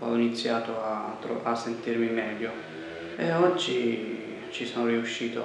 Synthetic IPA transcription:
ɔ̰init̪sːjaːt̪oat̪ːɾoasːent̪irmimɛːʎːo | eɔd͡ʒːi | t͡ʃisoːnoɾiuʃːiːt̪o

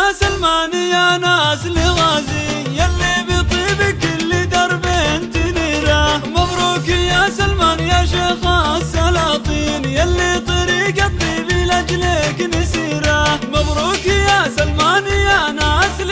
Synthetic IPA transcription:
salmaːnɪjanasliɣazi | jalːibit̪ˤibikɪlːid̪ɑɾˤbent̪ɪniɾamɑbɾukɪjasalmaːnɪjaʃexasalɑt̪ˤiːnjalːit̪ˤɨɾikat̪ˤlibilad͡ʒleknɪsiɾamɑbɾukɪjasalmaːnɪjanasl

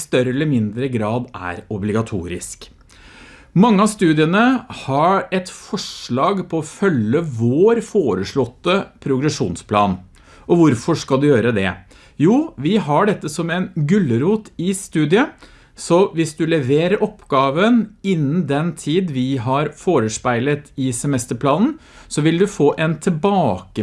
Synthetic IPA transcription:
st̪œɾəɛlːəɾmɪnd̪ɾəɡɾɑːd̪æ̰ɾɔblɪɡɑt̪ʰṵːɾɪ̰sk | mɑŋːəɑst̪ʉːd̪ɪənəhɑɾɛt̪fɔʂɭɑːɡpʰɔɔfœlːəʋoːɾfoːɾəʂɭɔt̪ːəpʰɾʊɡɾɛʂṵːnspʰlɑ̰ːn | ʔɔʋʊɾfɔʂkɑld̪ʉjøːɾəd̪ɛ̰ | juːʋɪɦɑɖɛt̪ːəsɔmɛnɡʉlːəɾuːt̪ɪst̪ʉːd̪ɪə | sɔʋɪsd̪ʉlɛʋeːɾəɾʔɔpːɡɑːʋənɪnːn̩d̪ɛnt̪ʰiːd̪ʋɪɦɑɾfoːɾəʂpæɪlət̪ɪsɛmɛst̪əpʰlɑːnn̩ | sɔʋɪld̪ʉfoːʔɛnt̪ʰɪbɑːkə

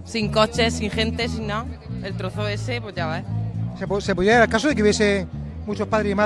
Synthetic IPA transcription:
siŋko̞t͡ʃesiŋxe̞nt̪esinnːaelt̪ɾoθoe̞sepwoezʝaeseposepoðjeaeɾalkasoðekeuβjese | mut͡ʃopaðɾeima

